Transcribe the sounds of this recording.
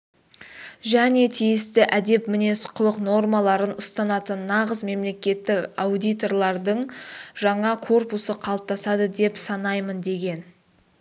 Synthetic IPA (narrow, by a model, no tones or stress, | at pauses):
ʒæne̞t̪ʰijɪst̪ɪʔæd̪e̞pmɪne̞sqʰʊlˠəqno̞rmɑlˠɑɾənʊst̪ɑnɑt̪ənːɑʁəzme̞mle̞kʲe̞t̪ːɪkawd̪ijt̪o̞rlˠɑɾd̪əɴʒɑɴɑkʰo̞rpusəqʰɑlˠəp̚t̪ɑsɑd̪əd̪e̞psɑnɑjmənd̪e̞ɡʲe̞n